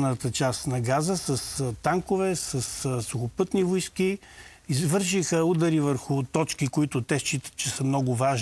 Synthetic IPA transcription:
nət̪ət͡ʃast̪nɐɡazəsəst̪aŋkʊvɛsəssʊxʊpɤt̪nivʊjski | izvɤɾʃixəud̪ɐɾivəɾxʊt̪ɔt͡ʃkikoit̪ʊt̪ɛʃt͡ʃit̪ə̥t̪t͡ʃɛsəmnɔɡʊvaʒ

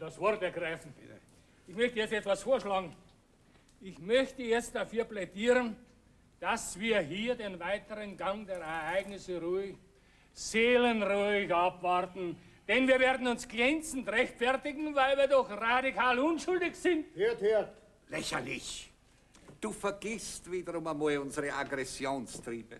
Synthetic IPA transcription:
d̥asv̥ɔɐɾtɛɐɡʁaɪfn̩ | ʔɪçmœçtəjɛt͡stɛtv̥asfoːɐʃlɑːɡŋ̩ | ɪçmœçtəjɛt͡std̥afyːɐplɛdiːʁən | d̥asv̥iːɐɦiːɐdeːnvaɪtəʁənɡaŋdeːɐɛɐɐaɪɡnɪsəʁuɪç | z̥eːlənʁuɪçapvaʁtn̩ | d̥ɛnviːɐveːɐdn̩ʊnsɡ̥ʁɛnt͡sn̩tʁɛçtfɛɐtɪɡŋ̩vaɪlviːɐdɔxradikʰaːlʊnʃʊldɪçsɪntheɐteɐt | lɛçɐ̰lɪ̰ç | d̥uːfɛɐɡ̥ɪstv̥iːdəʁʊmamɔlʊnzəʁəʔaɡʁɛsjoːnstʁiːb̥ə

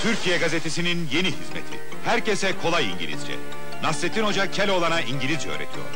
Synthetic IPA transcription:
t̪ʰyɾcʰijɛɡaze̞t̪ʰesininje̞niɦizmḛt̪ʰḭ | hæɾce̞sɛkʰo̞lˠajḭɲɟilʲḭzd͡ʒɛ̰ | nasːet̪ʰino̞d͡ʒacʰelʲo̞lˠanaiɲɟilʲizjø̰ːɾḛt̪ʰijo̰ɾ

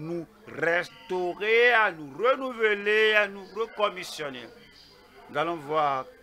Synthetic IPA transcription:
nũ | rɛstoɣeanũɾenuveleanũɾekɔmisjɔnea | d͡zalɔ̃voa

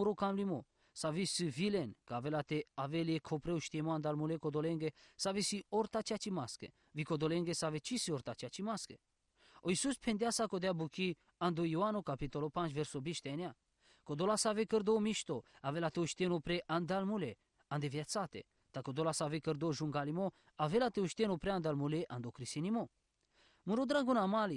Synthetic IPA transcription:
uɾokamlimo | savisɨvilenkavelat̪eaveljekʰopɾeoʃt̪emoand̪almulekod̪oleŋɡesavesioɾt̪at͡ʃat͡ʃimaskə̰ | vikod̪oleŋɡesavet͡ʃʰisioɾt̪at͡ʃat͡ʃimaskə | oisuspʰend̪jasakod̪eabuki | and̪ojuanokapit̪olopant͡ʃveɾsobiʃt̪anʲa | kod̪olasavekəɾd̪omiʃt̪oavelat̪euʃt̪enopɾeʔand̪almule | and̪evjat͡sat̪ḛ | t̪akod̪olasavekəɾd̪oʒuŋɡalimo | avelat̪euʃt̪enopɾeand̪almuleʔa̰nd̪okɾisinimo | muɾod̪ɾaɡunamali

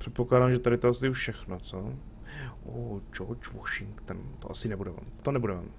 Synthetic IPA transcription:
pr̥ɛt̪poklaːdaːmʒɛt̪aɾɪt̪oʔasɪfʃɛxnot͡so | ʔod͡ʒot͡ʃvoʃɪŋkt̪nt̪oʔasɪnɛbudɛv̰t̪onɛbudɛvɛ̰m

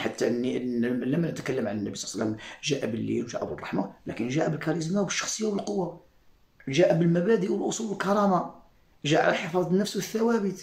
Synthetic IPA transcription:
ħat̪ːæʔənːiləmːænət̪kəlːəmʕanənːæbisˤsəlːəmʒæʔæbəlːḭlwʒæ̰ʔabərˤːɑ̰ħmalækənʒæʔæbəlkɑɾis̬mawbəʃːɑ̥xsˤəjːawbəlqowːa | ʒæʔæbəlmæbæd̪iʔwəlʔosˤuləlkɑɾˤɑma | ʒæʔʕa̰læħefɑd̪ˤnːəfswəθːæwæbət̪

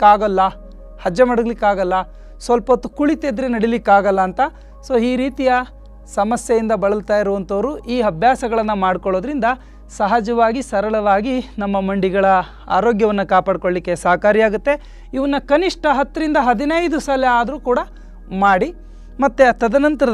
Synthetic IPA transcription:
kaːɡɐlːɐ | hɐd͡ʒjɐmɐɽɐɡlikːaːɡɐlːɐ | sʋɐlpɐt̪ːukuɭit̪ed̪ɾenɐɽilikːaːɡɐlːɐːnt̪ɐ | soːiːɾiːt̪ijɐ | sɐmɐsjɐjind̪ɐbɐɭɐlt̪aːjiɾuʋɐnt̪ʰɐʋɐɾuʔiːɐbʱjaːsɐɡɐɭɐnːɐmaːɽkoɭo̞ːd̪ɾind̪ɐ | sɐɦɐd͡ʒɐʋaːɡisɐɾɐɭɐʋaːɡinɐmːɐmɐɳɖiɡɐɭɐ | a̰ːɾo̞ːɡjɐʋɐnːɐkaːpaːɽkoɭlikːe̞saːɐkaːɾijaːɡut̪ːe̞ | iʋɐnːɐkɐniʂʈʰɐɦɐt̪ːɐɾind̪ɐɦɐd̪inɐjd̪usɐleaːd̪ɐɾuːkuːɽɐ | maːɽi | mɐt̪ːet̪ɐd̪ɐnɐnt̪ɐɾɐ

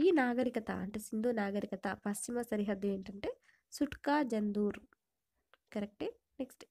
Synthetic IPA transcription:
iːnaːɡɐɾikɐt̪ɐ̰ʔɐ̰ɳʈeːsind̪uːnaːɡɐɾikɐt̪ɐpɐst͡ʃimɐsɐɾiɦɐd̪jɐeːɳʈɐɳʈeː | suʈkaːd͡ʒɐnd̪uːɾ | kɐɾek̚ʈeː | neksʈ

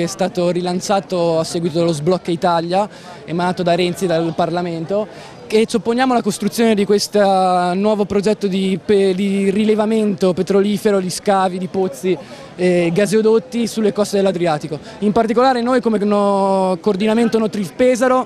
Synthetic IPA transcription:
ɛst̪aːt̪oɾilant͡ʃaːt̪oasːɛːɡwit̪od̪alozblɔkːait̪alja | emanaːt̪od̪aɾɛnt̪sid̪alparlament̪o | ket͡ʃopːonjaːmolakost̪ɾut̪sjoːned̪ikwest̪anwɔːvopɾod͡ʒɛt̪ːod̪ipd̪irilevament̪opet̪ɾoliːfeɾod̪iskaːvid̪ipot̪sːi | ɡazeod̪ot̪ːisulːekɔst̪ed̪elːad̪ɾiaːt̪iko | impart̪ikolaːɾenojkomenokoːrd̪inament̪onot̪ɾifpɛːzaɾo

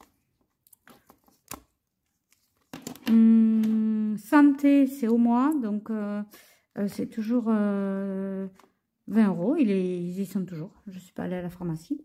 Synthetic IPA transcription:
sɑ̃t̪esɛomwad̪ɔ̃kø | øsɛt̪ʰuʒuʁø | vɛ̃ʁoileizisɔ̃t̪uʒuːʁʒəsɥi̥pa̰ːlealafaʁmasi

